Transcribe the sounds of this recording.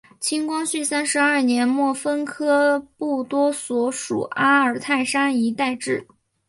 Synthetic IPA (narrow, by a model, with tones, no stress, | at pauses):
t͡ɕʰi˥ŋkwɑ˥ŋɕy˥˩sa˥nʂɻ̩˧˥a˞˥˩njɛ˧˥nmwɔ˥˩fə˥nkʰɤ˥pu˥˩t̪wɔ˥swɔ˧˥ʂṵ˨˩ʔa˥ə˞˨˩t̪ʰa˥˩ɪʂa˥ni˧˥t̪a˥˧ɪʈ͡ʂɻ̩˥˩